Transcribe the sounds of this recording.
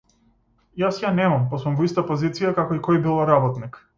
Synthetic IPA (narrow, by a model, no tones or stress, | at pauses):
jasjanɛmampasumvɔist̪apɔzit̪sijakakɔikɔjbilˠaɾabɔt̪nik